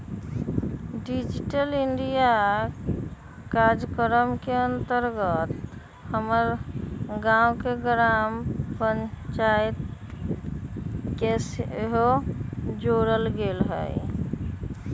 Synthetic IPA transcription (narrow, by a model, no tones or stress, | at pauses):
ɖid͡ʒiʈəliɳɖija | kaɾd͡ʒəkəɾəmkeənt̪əɾɡət̪ | həməɾɡãukeɡɾampəɲt͡ʃajt̪ | kesɦo | d͡ʒoɾəlɡelɦə̰j